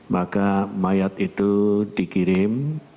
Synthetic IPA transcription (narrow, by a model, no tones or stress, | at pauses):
makamajat̪it̪ud̥i̤kiɾɪm